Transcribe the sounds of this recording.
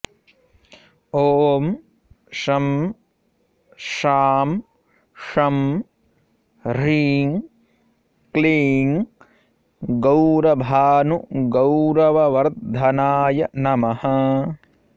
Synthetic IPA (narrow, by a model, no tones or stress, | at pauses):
oːm | ʃɐm | ʃaːm | ʂɐm | ɾiːŋ | kliːŋ | ɡɐwɾɐbʱaːnuɡɐwɾɐʋɐʋɐɾt̪d̪ʱɐnaːjɐnɐmɐhɐ